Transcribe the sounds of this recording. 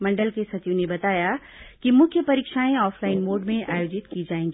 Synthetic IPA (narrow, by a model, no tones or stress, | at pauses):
mɐ̃ɳɖəlkesɐt̪jũnebɐt̪aːja | kimʊ̃kʰjəpɐɾiːkʃaːẽɔːfʰlaːɪnmoːɖmẽʔaːjoːd͡ʒɪt̪kid͡ʒaːẽːŋɡiː